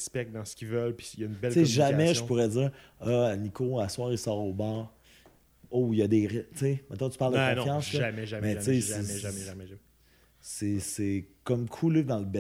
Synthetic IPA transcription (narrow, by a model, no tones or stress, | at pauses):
spɛk̚d̪ɑ̃sə̥kʲivœlpi̥jaynbɛlt͡seʒaamɛʒəpuʁɛd͡zziːʁɔnikoaswɑːʁisɑːʁoːbɑːʁ | ojad̪eʁt͡semɛt̪ɔ̃tt͡sypald̪əkɔ̃ñfjɑ̃slɔamɛʒamɛt͡sesɛʒɛʒamɛʒ | sesekʌmkʰulɪd̪ɑ̃ləbɛ